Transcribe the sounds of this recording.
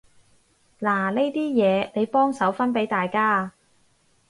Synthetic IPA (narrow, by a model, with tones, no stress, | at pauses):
laː˨˩le˥jt̪iː˥jɛː˨˧ne˨˧jpɔː˥ŋsɐ˨˥wfɐ˥npe˨˥jt̪aː˨jkaː˥